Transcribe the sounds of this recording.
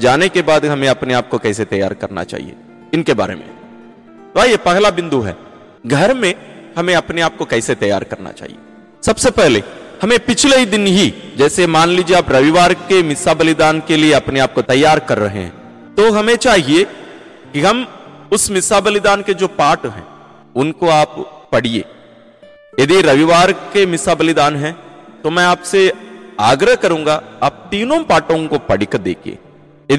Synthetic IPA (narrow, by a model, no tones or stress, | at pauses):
d͡ʒaːnekebaːd̪ɦɐmẽɐpneaːp̚kokɛːset̪ɐja̰ːɾkɐ̰ɾna̰t͡ʃa̰ːɦḭḛ | ɪnkeba̰ːɾḛmḛ̃ | t̪oaːijepɛɦlabɪ̃nd̪uɦɛ̰ː | ɡʱɐɾmẽhɐmẽɐpneaːp̚kokɛːset̪ɐja̰ːɾkɐɾna̰t͡ʃa̰ːɦḭe | sɐbsepɛɦlḛhɐmẽpɪt͡ʃʰleid̪ɪnɦid͡ʒɛːsemaːnliːd͡ʒieaːpɾɐʋiʋaːɾkemɪsabɐlɪd̪aːnkelieɐpneaːp̚kot̪ɐjːaːɾkɐɾːɐ̰ɦḛɦɛ̰̃ː | t̪oɦɐmẽt͡ʃaːɦie | kiɦɐmʊsmɪsabɐlɪd̪aːnked͡ʒoːpaːʈɦɛ̰̃ː | ʊnkoaːppɐɽ̤iḛː | jɐd̪iɾɐʋiʋaːɾkemɪsabɐlɪd̪aːnɦɛ̃ːt̪omɛ̃aːpseaːɡɾəɦkɐɾũːŋɡaaːp̚t̪iːnõpaːʈõkopɐɽ̤ɪkd̪ḛːkʰḭḛː | jɐd̪